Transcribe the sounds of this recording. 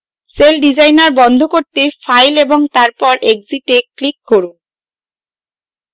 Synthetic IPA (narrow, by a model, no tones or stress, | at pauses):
selɖid͡ʑajnaɾbɔnd̪ʱokoɾt̪efajleboŋt̪aɾpɔɾʔekziʈeklikːoɾu